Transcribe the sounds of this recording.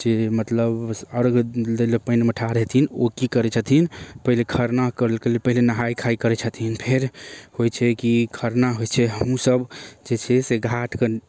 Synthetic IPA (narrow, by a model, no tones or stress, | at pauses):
d͡ʒemət̪ləbəɾɡd̪elopənməʈʰaɾɦɛt̪ʰinokikəɾɛt͡ʃʰət̪ʰinpəɦilekʰəɾnakəɾəlkelelpəɦilenəɦajkʰaikəɾɛt͡ʃʰət̪ʰinpʰeɾhojt͡ʃʰɛkikʰəɾnaɦojt͡ʃʰɛɦəmusəbd͡ʒet͡ʃʰɛseɡʱaʈke